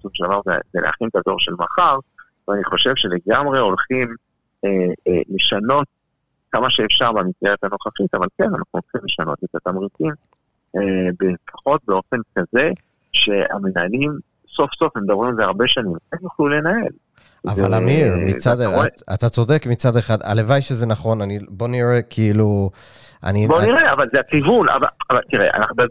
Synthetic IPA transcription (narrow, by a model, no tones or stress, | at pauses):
suoʃedavaʁzḛzelḛa̰χint̪ad̪o̞̰ʁʃe̞lmaχaʁ | veaniχo̞ʃe̞vʃe̞le̞ɡamʁe̞o̞lχim | ele̞ʃano̞t̚ | kamaʃeːfʃaʁbamisɡeʁet̪hano̞χaχit̪avalke̞nanaχnuolχimle̞ʃano̞̰t̪et̪at̪amʁit͡sim | ebefḁχo̞t̚beo̞fe̞nkaze̞ | ʃe̞a̰menaːlim | so̞fso̞femed̪abʁimalzeaʁbe̞ʃanimanjoχlule̞nael | avalamiʁmḭt͡sad̪at̪at͡so̞d̪e̞kmit͡sad̪e̞χad̪a̰levajʃezenaχo̞nanibo̞niʁekʰiilu | ʔa̰niboniʁeavalzeakivuna̰vaavalt̪iʁḛʔa̰naχnuba